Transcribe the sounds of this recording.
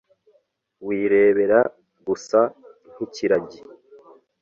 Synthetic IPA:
wiːɾe̞ːβe̞ɾa | ɡusan̥iciɾaɟi

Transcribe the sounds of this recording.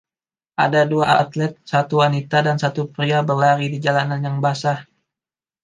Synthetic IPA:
ʔadaduaʔa̰t̪lɛt̪̚sat̪uwanit̪adansat̪upɾiabərlaɾidid͡ʒalananjaŋbasa

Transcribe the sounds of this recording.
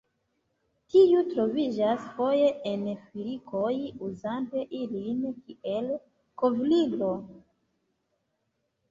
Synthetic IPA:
tiutɾo̞vid͡ʒasfo̞je̞ʔenfilikʰo̞juzante̞ʔilinkie̞l | kovliɡlo

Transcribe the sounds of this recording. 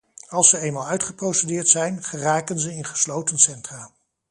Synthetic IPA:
ɑlˠsəejnmaːlˠœɥtχəprowsedɪːɹtsɛjnχəraːkənzəɪnχə̥slowtənsɛntraː

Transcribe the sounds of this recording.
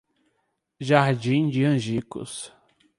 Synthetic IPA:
ʒaɾd͡ʒĩd͡ʒɪɐ̃ʒikʊ̰s

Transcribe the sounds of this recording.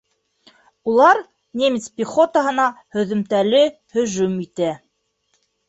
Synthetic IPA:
ulˠɑɾ | nʲemʲɪt̪spʲiχo̞t̪əɦɤ̆nɑhɵ̆ðɵ̆mt̪ælɘ | hɵ̆ʒʉmit̪æ

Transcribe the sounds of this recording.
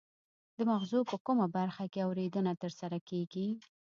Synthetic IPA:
d̪əmaɣzupəkumabaɾxakeawɾed̪ənat̪əɾsaɾakeɡi

